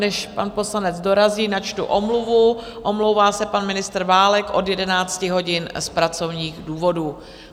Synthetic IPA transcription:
nɛʃpanpo̞slanɛd͡zdo̞ɾaziːnat͡ʃt̪ṵʔomluvu | ʔo̞mlo̞wvaːsɛpanmɪnɪst̪ɾvaːlɛkʔo̞djɛdɛnaːt͡scɪɦo̞ɟɪnspɾat͡so̞vɲiːɣduːvo̞duː

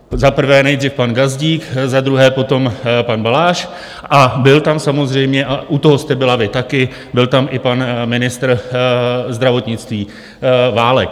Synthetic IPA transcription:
zapr̩vɛːnɛjd̪rifpanɡazɟiːkzad̪ɾuɦɛːpo̞t̪o̞mpanbalaːʃ | ʔabɪlt̪amsamo̞zr̝ɛjmɲɛʔaʔut̪o̞ɦost̪ɛbɪlavɪt̪akɪ | bɪlt̪amʔɪpanmɪnɪst̪ɾ | zd̪ɾavo̞t̪ɲɪt͡st̪viː | vaːlɛk̚

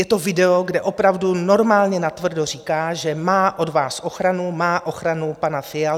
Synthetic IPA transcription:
jɛt̪ovɪdɛoɡdɛʔo̞pɾavduno̞ɾmaːlɲɛnat̪vr̩dor̝iːkaːʒɛmaːʔo̞dvaːsʔoxɾanumaːʔoxɾanupanafɪjal

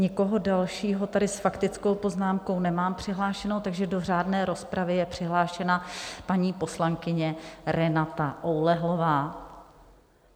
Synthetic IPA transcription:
ɲɪko̞ɦo̞dalʃiːɦo̞t̪adɪsfakt̪ɪt͡sko̞wpo̞znaːmko̞wnɛmaːmpr̝̥ɪɦlaːʃɛno̞wt̪aɡʒɛdo̞r̝aːdnɛːɾo̞spɾʔavɪjɛpr̝̥ɪɦlaːʃɛnapaɲiːpo̞slaŋkɪɲɛɾɛnat̪aʔowlɛɦlo̞vaː

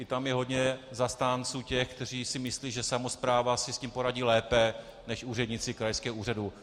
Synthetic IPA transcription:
ɪt̪amjɛɦo̞dɲɛzast̪aːnt͡suːcɛxkt̪ɛr̝iːsɪmɪsliːʒɛsamo̞spɾaːvasɪsciːmpo̞ɾaɟiːlɛːpɛ | nɛʃuːrɛdɲɪt͡sɪkɾajskɛːɦouːr̝adu

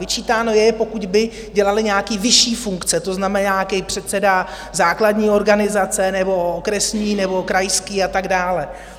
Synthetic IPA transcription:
vɪt͡ʃiːt̪aːno̞jɛpo̞kuɟbɪ | ɟɛlalɪɲaːkiːvɪʃiːfuŋkt͡sɛt̪o̞znamɛnaːkɛpr̝̥ɛt̪t͡sɛda | zaːkladɲiːo̞ɾɡanɪzat͡sɛnɛbo̞okɾɛsɲiːnɛbo̞kɾajskiːat̪aɡdaːlɛ

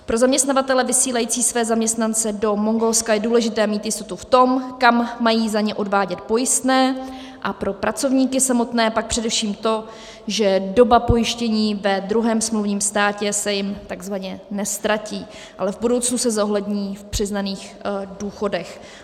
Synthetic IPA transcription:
pɾo̞zamɲɛst̪navat̪ɛlɛvɪsiːlajiːt͡siːsvɛːzamɲɛst̪nant͡sɛdo̞mo̞ŋɡo̞lskajɛduːlɛʒɪt̪ɛːmiːt̪jɪst̪o̞t̪uft̪o̞mkamːajiːzaɲɛʔo̞dvaːɟɛt̪̚po̞jɪst̪nɛː | ʔapɾo̞pɾat͡so̞vɲiːkɪsamo̞t̪nɛːpak̚pr̝̥ɛdɛfʃiːmt̪o̞ | ʒɛdo̞bapo̞jɪʃcɛɲiːvɛd̪ɾuɦɛːmsmluvɲiːmst̪aːcɛsɛjɪmt̪aɡzvaɲɛnɛst̪ɾaciː | ʔalɛvbudo̞wt͡snusɛzoɦlɛdɲiːfpr̥ɪznaniːx | duːxo̞dɛx

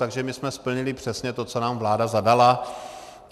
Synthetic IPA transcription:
t̪aɡʒɛmɪsmɛspl̩ɲɪlɪpr̝̥ɛsɲɛt̪o̞t͡sonaːmvlaːdazadala

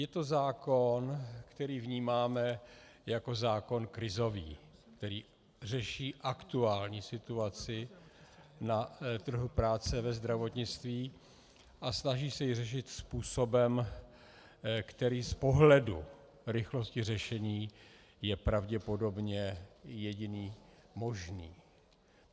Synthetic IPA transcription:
jɛt̪o̞zaːko̞nkt̪ɛɾiːvɲiːmaːmɛjako̞zaːko̞nkɾɪzo̞vḭːkt̪ɛɾiː | r̝ɛʃiːʔakt̪uaːlɲiːsɪt̪uat͡sɪ | nat̪r̩ɦupɾaːt͡sɛvɛzd̪ɾavo̞t̪ɲɪt͡st̪viː | ʔasnaʒiːsɛjɪrɛʃ̬ɪt̪spuːso̞bɛm | kt̪ɛɾiːspo̞ɦlɛdu | ɾɪxlo̞scɪr̝ɛʃɛɲiː | jɛpɾavɟɛpo̞do̞bɲɛjɛɟɪniː | mo̞ʒniː

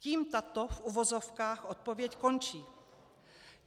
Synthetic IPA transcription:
ciːmt̪at̪ofʔuvozofkaːxʔot̪̚povjɛcko̞nt͡ʃiː

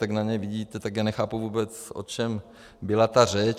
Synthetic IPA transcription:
t̪aɡnaɲɛjvɪɟiːt̪ɛt̪aɡjaːnɛxaːpuvuːbɛt͡sʔo̰t͡ʃɛm | bɪlat̪arɛt͡ʃ

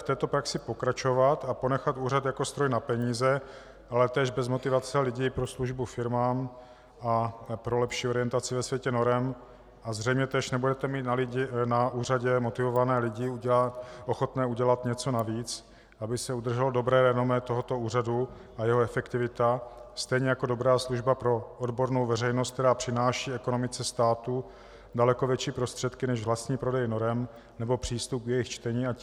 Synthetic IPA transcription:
ft̪ɛːt̪o̞pɾaksɪpo̞kɾat͡ʃo̞vat̪apo̞nɛxat̪uːrat̪jakost̪ɾojnapɛɲiːzɛ | ʔalɛt̪ɛːʒbɛzmo̞t̪ɪvat͡sɛlɪɟiːpɾosluʒbufɪɾmaːm | apɾo̞lɛpʃiːoɾɪjɛnt̪at͡sɪvɛsvjɛcɛno̞ɾɛm | ʔazr̝ɛjmɲɛt̪ɛːʃnɛbudɛt̪ɛmiːt̪nalɪɪnauːraɟɛmot̪ɪvovanɛːlɪɟɪ | ʔoxo̞t̪nɛːuɟɛlat̪ɲɛt͡so̞naviːt͡s | ʔabɪsɛud̪r̩ʒɛldo̞bɾɛːɾɛnomɛt̪o̞ɦo̞t̪o̞uːradu | ʔajɛɦoɛfɛkt̪ɪvɪt̪a | st̪ɛjɲɛjako̞do̞bɾaːsluʒbapɾo̞odbo̞ɾnowvɛrɛjnost̪k̚t̪ɛɾaːpr̝̥ɪnaːʃiːɛkono̞mɪt͡sɛst̪aːt̪u | dalɛko̞vjɛt͡ʃiːpɾost̪r̝̥ɛt̪kɪnɛʒvlast̪ɲiːpɾo̞dɛjno̞ɾɛm | nɛbo̞pr̝̥iːst̪up̚ɡjɛjɪxt͡ʃt̪ɛɲiːa

